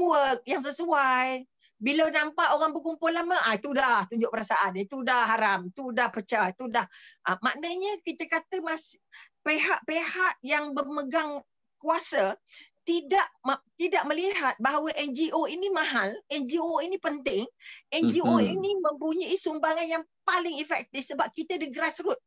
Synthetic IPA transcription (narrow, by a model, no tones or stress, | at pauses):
uwək̚jaŋs̬əsuaj | bilawnampaʔoɣaŋbəkumpʊlaməʔat̪udaht̪uɲd͡ʒʊʔ̚pəɾasaʔanit̪udahɦaɾamt̪udahpət͡ʃat̪udahʔəma̰ʔnəɲəkit̪əkat̪əmas | peɦaʔpehaʔjaŋbəməɡaŋ | kuasət̪idaʔt̪idaʔ̚məliɦat̪̚baɦawəʔɛnd͡ʒiʔoinimãɦalɛnd͡ʒioinipənt̪ɪŋɛnd͡ʒioinimə̃mpuɲiisumbaŋanjaŋpalɪŋifɛk̚t̪ɪfsəbap̚kit̪ədəɡəɾasɾʊt̪̚